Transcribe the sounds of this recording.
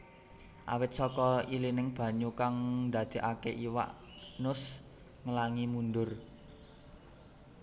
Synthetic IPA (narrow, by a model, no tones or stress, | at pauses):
ʔa̰wɪt̪̚sɔkɔilinɪŋb̥ä̤ɲukaŋnda̤d̪̥e̤ʔakeʔiwa̰ʔ | nʊs | ŋəlaŋimundʊr